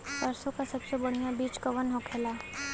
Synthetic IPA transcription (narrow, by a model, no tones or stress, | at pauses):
tɐɾsõkasɐbsebɐɽ̤ijãbiːt͡ʃkɐʋənɦõkʰeːlaː